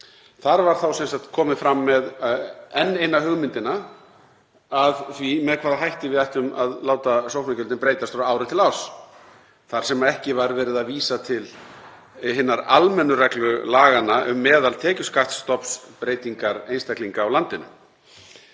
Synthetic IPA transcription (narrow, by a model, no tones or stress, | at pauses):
θaɾvaɾ̥θawsɛnsakt̪kʰɔːmɪfɾamːɛðɛnːejnahʏɣmɪnt̪ɪna | aðθvimɛðkʰvaːðaɦajht̪ɪvɪðajht̪ʏmaðlaːwt̪asowhpnacʏlt̪ɪnpɾeːjt̪ast̪ːɾaːwɾɪt̪ʰɪlaw̥s | θaɾ̥sɛmaɛhcɪvaɾvɛːɾɪðaðviːsat̪ʰɪl | ɦɪnːaɾa̰lmɛnːʏrɛklʏlaːɣanaʔʏ̰mːɛːðalt̪ʰɛːcʏskaht̪st̪ɔpspɾeːjt̪iŋkaɾejnst̪akliŋkaːwlant̪ɪnʏ̰